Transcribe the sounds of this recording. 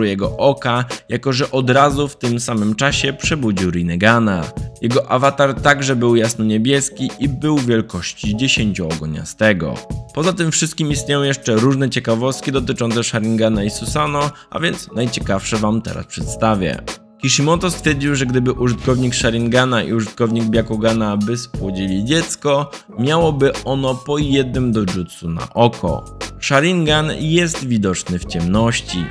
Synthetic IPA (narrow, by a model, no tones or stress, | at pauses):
ujɛɡɔʔɔkajakɔʐɛʔɔd̪ɾazuft̪ɘmsamɘmt͡ʂaɕɛpʂɛbud͡ʑiwɾijnɛɡanajɛɡɔʔavat̪aɾt̪aɡʐɛbɘwjasnɔɲebʲjɛskʲiʔibɘwvʲjɛlkɔɕt͡ɕid͡ʑeɕeɲt͡ɕɔɔɡɔɲa̰st̪ɛɡɔ̰pɔzat̪ɘmfʂɘst̪̚kʲimist̪ɲejɔ̃w̃jɛʂt͡ʂɛɾuʐnɛt͡ɕɛkavɔst̪̚kʲid̪ɔt̪ɘt͡ʂɔnt̪sɛʂaɾʲiŋɡanaisusanɔʔa̰vʲjɛnt̪snajt͡ɕɛkafʂɛvamt̪ɛ̰ɾa̰spʂɛt̪st̪avʲjɛ̰ | kʲiʂimɔt̪ɔst̪fʲjɛɾd͡ʑiwʐɛɡd̪ɘbɘʔuʐɘt̪kɔvɲikʂaɾʲiŋɡanaḭuʐɘt̪̚kɔvɲiɡ̚bʲjakɔɡanabɘspwɔd͡ʑilʲid͡ʑɛt̪skɔ | mʲjawɔbɘɔnɔpɔjɛd̪̚nɘmd̪ɔʐut̪suna̰ʔɔkʰɔ̰ʂaɾiŋɡanjɛst̪vʲid̪ɔt͡ʂnɘft͡ɕɛmnɔɕt͡ɕḭ